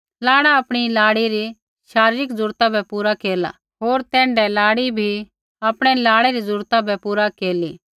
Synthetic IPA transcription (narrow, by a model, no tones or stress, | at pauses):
laːɽaɐpɽ̃ilaːɽiɾi | ʃaːɾiːɾɪkd͡zʊɾt̪abʱɛpuːɾakeːla̰ | ɦoːɾt̪ɛ̃ːɳɖɛlaːɽibʱi | ɐpɽ̃ɛlaːɽɛɾizʊɾt̪abʱɛpuːɾakeːliː